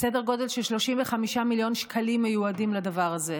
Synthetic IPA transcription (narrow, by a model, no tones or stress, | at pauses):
sedeʁɡo̞de̞lʃelʃlo̞ʃimveχamiʃamiljonʃkʰalimːejuadimlad̪avaʁaze